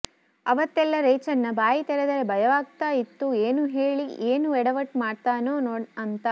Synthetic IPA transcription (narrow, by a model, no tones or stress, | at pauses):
ɐʋɐt̪ːɛlːɐɾeːt͡ʃɐnːɐbaːjit̪ɛɾed̪ɐɾe̞bʱɐjɐʋaːɡ̚t̪aːit̪ːueːnuɦe̞ːɭieːnuɛɽɐʋɐʈmaːɖt̪aːnoːnoːɐnt̪ɐ